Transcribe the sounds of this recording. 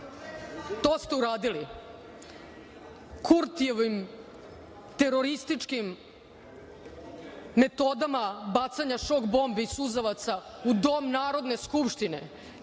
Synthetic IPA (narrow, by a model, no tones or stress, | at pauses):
t̪oːst̪e̞uɾaːd̪ili | kʰuɾt̪ieʋim | t̪e̞ɾoɾist̪it͡ʂkim | e̞t̪o̞d̪amabat̪saɲaʃokbo̞mbiisuzaʋat̪saud̪o̞ːmnaːɾo̞d̪ne̞skupʃt̪inḛ